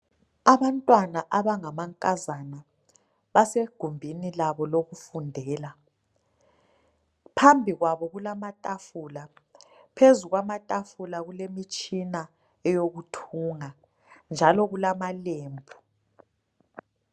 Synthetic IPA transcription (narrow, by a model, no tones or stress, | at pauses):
aβantʼwanaʔaβaŋamaŋkʼazana | βaseɡ̥ʱumbʱinilaβɔloɣufundʱɛːla | pʰambʱiɣwaβɔɣulamatʼafula | pʰezuɣwamatʼafulaɣulemit͡ʃʼina | ɛjoɣutʰuːŋa | nd͡ʒʱalɔɣulamaleːmbʱu